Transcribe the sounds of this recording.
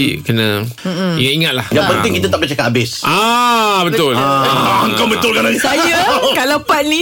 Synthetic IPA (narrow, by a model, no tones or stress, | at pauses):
ikənə̃ | iŋat̪iŋat̪̚lahjaŋpənt̪ɪŋkit̪at̪aʔbət͡ʃakat̪abɪsʔabət̪ʊlaəŋkawbət̪ʊlkaɾansajakalapat̪̚nĩ